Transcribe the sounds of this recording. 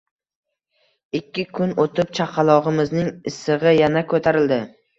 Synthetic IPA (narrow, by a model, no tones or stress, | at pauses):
ɪkʲːɪkʰʊnot̪ʰɪp̚t͡ʃʰaqʰɑlˠɒʁɪmɪznɪŋɪsːɨʁɨjanakʰɵt̪ʰaɾɪld̪ɪ